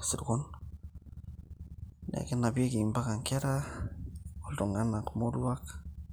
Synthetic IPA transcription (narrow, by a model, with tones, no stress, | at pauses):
si˨ɾkon | nḛ˨ke˦na˨bi˦e˦ɡi˨mba˦ka˨ŋka˦ɾa | oldo˨ŋanakmoɾuak